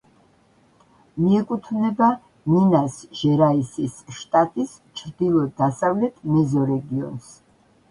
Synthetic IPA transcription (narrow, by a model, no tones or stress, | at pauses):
miɛkʼut̪ʰvnɛba | ninasʒ̥ɛɾaisisʃt̪ʼat̪ʼis | t͡ʃʰɾd̪ilˠɔd̪asavlɛt̪ʰmɛzɔɾɛɡiɔ̰ns